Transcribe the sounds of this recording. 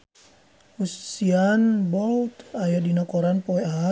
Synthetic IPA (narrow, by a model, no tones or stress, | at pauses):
hussianbɔlt̪ajadinakɔɾanpɔɛa